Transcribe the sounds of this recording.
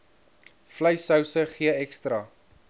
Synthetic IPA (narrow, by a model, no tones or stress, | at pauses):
fləjsɐwsəχiəɛkstrɐ